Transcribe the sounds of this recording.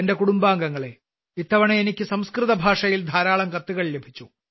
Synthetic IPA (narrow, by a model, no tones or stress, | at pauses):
ende̞kuɽumbaːŋɡɐŋːɐɭe̞ | it̪ːɐʋɐɳeenikʲːɨsɐmskrɨðɐbʱaːʂɐjild̪ʱaːɾaːɭɐmkɐt̪ːuɣɐɭle̞bʱit͡ɕːu